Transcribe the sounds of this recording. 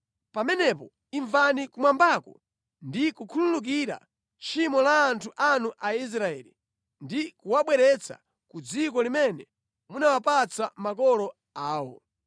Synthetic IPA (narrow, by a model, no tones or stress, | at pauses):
pamɛnɛpɔ | iɱvanikumwambakɔ̰ | ndikukʰululuk̬iɾa̰ | t͡ʃimɔlaːntʰuʔanuʔais̬ɾaɛːlḭ | ndikuwaɓwɛɾɛt͡sʰa̰ | kud͡zikɔlimɛnɛ | munawapat͡samakɔlɔ | aːwɔ̰